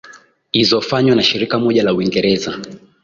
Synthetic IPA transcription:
izɔfaɲwanaʃiɾikamɔʄalauiŋɡɛɾɛza

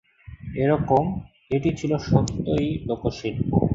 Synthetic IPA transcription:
eɾɔkom | eʈit͡ɕʰiloʃɔt̪ːojlokoʃilbo̰

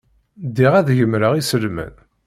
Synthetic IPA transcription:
d̪iʁæðʝəmɾəʁisəlmə̰n

